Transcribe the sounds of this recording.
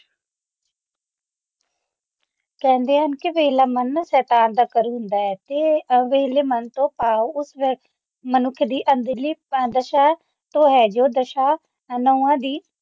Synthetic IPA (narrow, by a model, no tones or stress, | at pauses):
kɛ̃ːnd̪eːɦənkɪʋeːlaːmənsɛːt̪aːnd̪aːkəɾuːɦʊnd̪aːɛːt̪eːʋeleːmənt̪õːpaːoʊs | mənʊkʰːd̪iːʔənd̪liːd̪əʃaː | t̪õːɦɛːd͡ʒoːd̪əʃaː | noːãːd̪iː